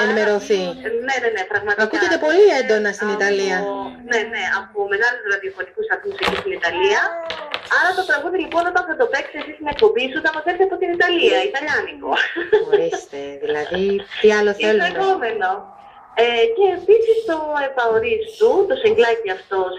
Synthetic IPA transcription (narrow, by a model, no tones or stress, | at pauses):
enimeɾo̞θine̞ne̞ne̞pɾɐɣmɐt̪ɐkuʝet̪epo̞liend̪o̞nɐst̪init̪ɐliɐne̞ne̞ɐpome̞ɣɐluzɾɐðiofot̪ikusɐɾθmusecist̪init̪ɐliɐɐɾɐt̪ot̪ɾɐɣund̪elipo̞no̞t̪ɐnθɐt̪o̞pe̞ksesist̪ine̞k̚po̞bisut̪ɐpɐθeɾseɐpo̞t̪init̪ɐliɐit̪ɐʎɐniko̞̰ɾist̪eðilɐðit̪iɐloθeluekomeno | ece̞ːpisist̪o̞epɐoɾist̪ut̪o̞seŋɡlɐciɐft̪o̞s